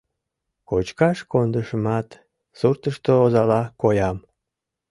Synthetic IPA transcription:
kot͡ɕkɑʃkond̪əʃəmɑt̪ | surt̪əʃt̪oozɑlɑkojɑm

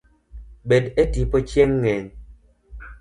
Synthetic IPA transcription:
ɓedetipot͡ʃjeŋːɛn

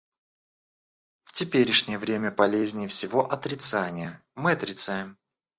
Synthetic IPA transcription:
ftʲɪpʲeɾʲɪʂnʲɪjəvɾʲemʲəpɐlʲezʲnʲɪjəfsʲɪvo̞ʔɐt̪ɾʲɪt̪sanʲɪjə | mɨɐt̪ɾʲɪt̪sajɪm

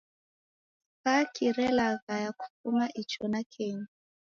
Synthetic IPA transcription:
kakʰiɾɛlaɣajaku̥fumaʔit͡ʃɔnakʰɛɲa

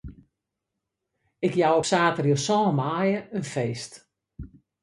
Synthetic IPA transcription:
ɪkjawopsaːtərjosɔːnmaːjəənfeːst

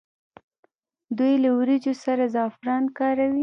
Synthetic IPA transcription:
d̪ujlawɾid͡ʒosaɾazɑfɾɑnkɑɾawi

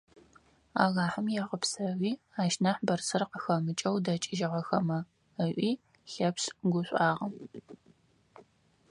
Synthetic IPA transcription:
a̰ːɣaːħəmjɛʁəpsɐwiː | aːʃnɐħbɐrsɨrqəxɐmɨt͡ʃʼɐwdɐt͡ʃʼɪʒɪʁɐxɐmɐ | əɕʷʔʷiː | ɬɐpsɡʷʊɕʷʼaːʁɐ

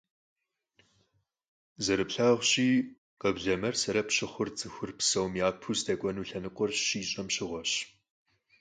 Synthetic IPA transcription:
zɐɾɨpɬaʁʷɕiː | qəbɮɐmɐrsɐɾɐpɕɪχʷʊrt͡sʼɨxʷʊrpsɐwmjaːpʰusdɐkʷʼɔnuːɬɐnɨqʷʼɔrɕiːɕʼɐmɕɪʁʷɔɕ

